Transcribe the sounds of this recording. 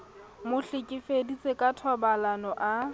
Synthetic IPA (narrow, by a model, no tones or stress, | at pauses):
mʊɬɪkʼɪfedit͡sʼekʼatʰɔbalanɔʔa